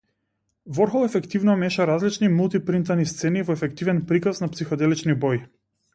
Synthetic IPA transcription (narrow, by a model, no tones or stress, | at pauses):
vɔɾxɔlˠɛfɛkt̪ivnɔmɛʃaɾazlit͡ʃnimulˠt̪ipɾint̪anist̪sɛnivɔɛfɛkt̪ivɛnpɾikasnapsixɔd̪ɛlit͡ʃnibɔji